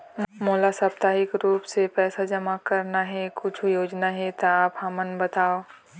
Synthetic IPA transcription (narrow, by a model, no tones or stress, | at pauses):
moːlasɐp̚t̪aːɦɪkɾuːpsepɛːsad͡ʒɐmakɐɾnaɦɛkʊt͡ʃʰujoːd͡ʒnaɦɛt̪aaːpɦamənbɐt̪aːo